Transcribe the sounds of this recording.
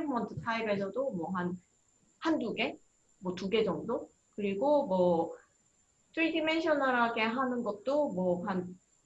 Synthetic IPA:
mʌntʰɯ̥tʰaibe̞sʰʌdomwʌɦan | handuɡe̞ | mwʌtuɡe̞d͡ʑʌŋdo | kɯɾiɡomwʌ | t͈ʰɯɾidime̞nɕʰʌnaɾaɡe̞ɦanɯnɡʌt̚t͈omwʌhan

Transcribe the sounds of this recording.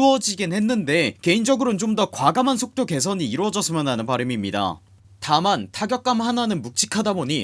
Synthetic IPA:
ʌd͡ʑiɡenhe̞nːɯnde̞ke̞ind͡ʑʌɡɯɾont͡ɕomdʌkwaɡamansʰok̚t͈oke̞s̬ʰʌɲiːɾwʌd͡ʑʌs͈ʰɯmjʌnɦanɯnpaɾimimɲida̰ | tamantʰaɡjʌk̚k͈amhananɯnmuk̚t͡ɕ͈ʰi̥kʰadaboɲi

